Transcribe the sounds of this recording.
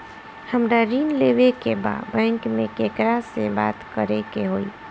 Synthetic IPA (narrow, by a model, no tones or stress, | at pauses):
həmɾaɾinleʋekeba̰d̪bɛ̃ŋkmẽkekɾaseba̰t̪kəɾekeɦoːi